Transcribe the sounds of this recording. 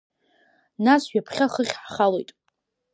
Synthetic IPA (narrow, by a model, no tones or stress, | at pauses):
nasɥᶣapʰχʲaχəχʲħχalojtʼ